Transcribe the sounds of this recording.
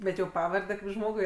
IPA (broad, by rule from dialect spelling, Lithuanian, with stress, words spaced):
ˈbʲɛt jɛʊ ˈpɑːʋɐrʲdʲɛ kɐɪp ˈʒmoːɡʊɪ